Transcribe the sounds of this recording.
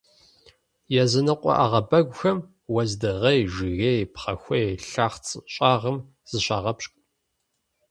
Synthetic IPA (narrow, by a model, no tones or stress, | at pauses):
jɛzɨnɨqʷʼɔ̰ʔaʁɐbɐɡʷʊxɐm | wɐzdɨʁejʒɨɣejpχɐxʷejɬaːχt͡sʼɕʼaːʁəm | z̥ɨɕaːʁɐpɕkʷʼ